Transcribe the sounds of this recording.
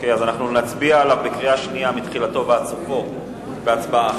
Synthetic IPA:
keazanaχnunat͡sbiaːlavbekʁiaʃniamit̪χilat̪o̞veat͡sufo̞ | veat͡sbaa

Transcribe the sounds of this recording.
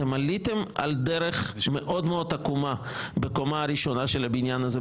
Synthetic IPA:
emalit̪ema̰ld̪eɾeχmeʔo̞dmeod̪̚t̪akuma | beko̞maaɾiʃo̞naʃelabinjanaze

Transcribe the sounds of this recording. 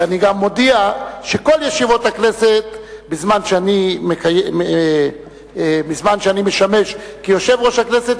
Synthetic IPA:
aniɡamːodiaʃeko̞ljeʃivo̞t̪hakne̞set̪bizmanʃeanimekajee | bizmanʃeanimeʃame̞ʃkijo̞ʃevʁo̞ʃhakneset̪

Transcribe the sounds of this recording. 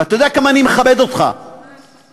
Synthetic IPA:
at̪ajod̪eakamaːnimeχabed̪ot̪χa̰

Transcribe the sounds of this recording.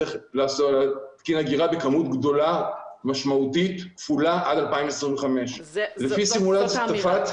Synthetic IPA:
eχlaːsolat̪kinaɡiʁabekamutɡdo̞lamaʃmautitkfulaʔadalpaimesʁĩmveχame̞ʃlefisimulat͡sjat̪afat̪

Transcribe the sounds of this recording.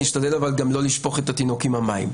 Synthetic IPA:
iʃt̪ad̪e̞lavalɡamlo̞liʃpo̞χe̞t̪at̪ino̞kimhamaḭm

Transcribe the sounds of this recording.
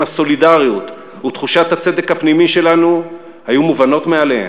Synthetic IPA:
aso̞lidaʁjut̪ | ut̪χuʃat̪hat͡se̞d̪ekhapnimiʃe̞lanu | hajumuvano̞t̪mealehḛ

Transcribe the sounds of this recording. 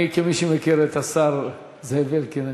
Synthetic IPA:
kemiʃimekiɾet̪asaɾ | zevelkina

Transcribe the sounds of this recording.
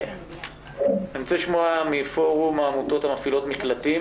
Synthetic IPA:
emt͡seʃmoamifo̞ʁumaːmuto̞thamafilo̞tmiklatim

